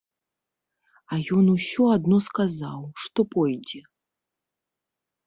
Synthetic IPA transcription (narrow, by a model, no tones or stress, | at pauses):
ajɔnusʲɔad̪nɔskazawʂt̪ɔpɔjd͡zʲɛ